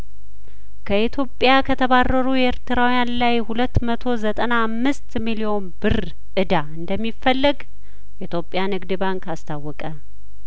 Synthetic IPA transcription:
kʰəit̪ʰjo̞pʼːjakʰət̪ʰəβarːəɾujɛɾt̪ɨɾawjanlajhulət̪ːmət̪ʰo̞zət̪ʼənaamːɨst̪milio̞nbɨr | ʔɨd̪aɨnd̪əmːifːəlːɨɡ | jɛit̪ʰjo̞pʼːjanɨɡd̪ɨbaŋkast̪ʰawːɔkʼə

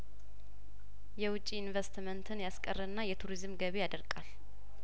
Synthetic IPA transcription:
jɛwʊt͡ʃʼːiinvəst̪mənt̪ʰɨnjaskʼərːənːajɛt̪ʰuɾizɨmɡəβejad̪əɾkʼal

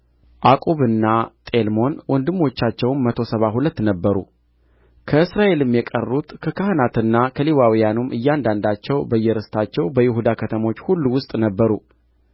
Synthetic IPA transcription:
ʔakʼoβɨnːat̪ʼe̞lmo̞nwɔnd̪ɨmːo̞t͡ʃːat͡ʃːɛwnmət̪ʰo̞səβaɦulət̪ːnəbːəɾṵ | kʰəɨsɾaʔe̞lɨmjɛkʼərːut̪kʰəkahɨnat̪ɨnːakʰəliwawijanumʔɨjːand̪and̪at͡ʃːɛwbəjːɛɾɨst̪ʰat͡ʃːɛwbəjɪɦud̪akʰət̪ʰəmo̞t͡ʃːhulːuwʊst̪ʼnəbːəɾṵ

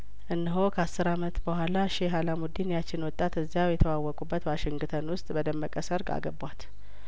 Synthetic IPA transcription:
ʔɨnːɨɦo̞kʰəasːɨɾamət̪bəhʷalaʃeɦalamud̪injat͡ʃːɪnwɔt̪ʼːat̪ɨzːjawjɛt̪ʰəwawːɔkʼubːət̪waʃɪŋɡt̪ʰənwʊst̪ʼbəd̪əmːəkʼəsəɾɡa̰ɡəbwat̪

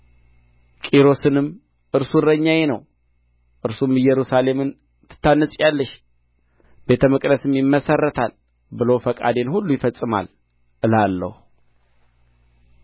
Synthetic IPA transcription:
kʼiɾo̞sɨnɨm | ʔɨɾsuɾəɲːajenəw | ʔɨɾsumɨjɛɾusale̞mɨn | t̪ʰɨ̥t̪ːanːəsʼjalːəʃ | b̥e̞t̪ʰəmɨkʼd̪əsɨmjɪmːəsərːət̪ʰal | bɨlowfəkʼa̰d̪e̞nhulːujɪfəsʼːɨma̰l | ʔɨlalːə̰hu

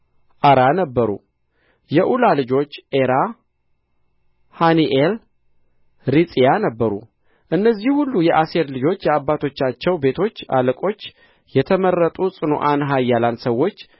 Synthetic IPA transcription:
ʔaɾanəbːəɾṵ | jɛʔulalɨd͡ʒo̞t͡ʃːʔeɾa | haniʔel | ɾisʼijanəbːəɾṵ | ʔɨnːəzːihhulːujɛʔased̪lɨd͡ʒo̞t͡ʃːjɛabːat̪ʰo̞t͡ʃːat͡ʃːɛwbe̞t̪ʰo̞t͡ʃːa̰ləkʼo̞t͡ʃː | jɛt̪ʰəmərːət̪ʼusʼɨno̰ʔanɦajːalansəwːo̞t͡ʃː

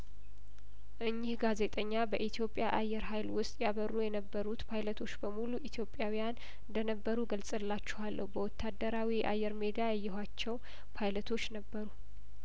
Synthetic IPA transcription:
ʔɨɲːɪhɡaze̞t̪ʼəɲːabəʔit̪ʰijo̞pʼːjaʔajːɛɾɦajlwʊst̪ʼjaβərːujɛnəbːəɾut̪pʰajlət̪ʰo̞t͡ʃːbəmuluʔit̪ʰjo̞pʼjawijan | ɨnd̪ənəbːəɾuɡəlsʼɨlːat͡ʃːɛ̥halːəhubəwɔt̪ʰːad̪ːəɾawiʔa̰jːɛɾmed̪iajɛjːɪɦʷwat͡ʃːɛw | pʰajlət̪ʰo̞t͡ʃːnəbːəɾu

